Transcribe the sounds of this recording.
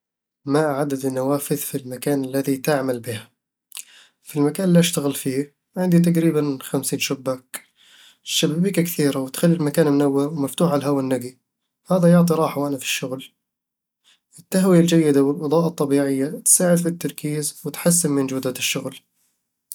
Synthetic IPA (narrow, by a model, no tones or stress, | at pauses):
maʕad̪ad̪ɪnːawaːfɪðfilmakaːnalːaðit̪ɪʕmalbɪha | filmakaːnɪliʔaʃt̪aɣɪlfiː | ʕɪnd̪it̪̬aqɾiːbanxamsiːnʃʊbːak | ʃːababiːkakθiːɾawɪt̪xalːilmakaːnmnawːɪɾwmaft̪uːħʕalɦawanːaɡi | haːðajʊʕt̪ˤiɾˤɑːħaʔanafi̥ʃːʊɣl | ʔɪt̪ːaɦwijald͡ʒajːɪd̪awɪlʔɑðˤɑːʔɑt̪ˤːɑbiːʕɪjːat̪saːʕɪd̪fit̪ːɑɾˤkiːzwɪt̪ħas̬ːɪnmɪnd͡ʒuːd̪aɪʃːʊɣl